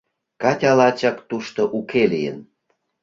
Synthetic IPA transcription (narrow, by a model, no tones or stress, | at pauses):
kɑtʲɑlɑt͡ɕɑkt̪uʃt̪oʔukelijən